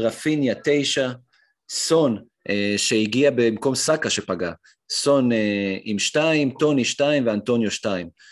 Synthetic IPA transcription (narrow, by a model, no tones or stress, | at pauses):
ʁafinjat̪e̞jʃa | so̞n | eʃeiɡiabemko̞msakaʃe̞paɡa | so̞neimʃtaimt̪o̞niʃtaimveanto̞njoʃtaim